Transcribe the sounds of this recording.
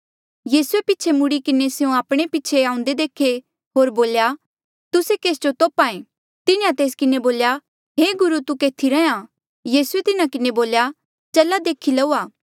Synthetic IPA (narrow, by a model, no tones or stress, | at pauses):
jiːsuepɪːt͡ʃʰemʊɽikɪneseũaːpɽ̃epɪt͡ʃʰeãːʊ̃nd̪ed̪eːkʰe | ɦoːɾboːlja | t̪ʊsekeːsd͡ʒot̪oːpaːẽ | t̪ɪnãt̪eːskɪneboːlja | ɦeːɡʊɾut̪ukeːt̪ʰiɾɛã | jiːsuet̪ɪnakɪneboːlja | t͡ʃɐlad̪eːkʰilɐuːaː